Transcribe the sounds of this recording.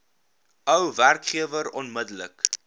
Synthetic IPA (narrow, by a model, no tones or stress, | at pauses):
œwværkχiəvəɾɔnmədələ̰k